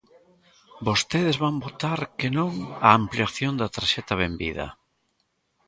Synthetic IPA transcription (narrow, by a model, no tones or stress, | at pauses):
bost̪eðɪzβambot̪aɾkenõŋɐːmpliaθjond̪ɐt̪ɾaʃɛt̪ɐβembḭðɐ̰